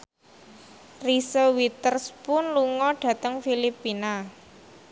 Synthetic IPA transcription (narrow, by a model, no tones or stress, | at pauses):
risowit̪ərspʊnluŋɔɖ̥ä̤t̪əŋfilipːina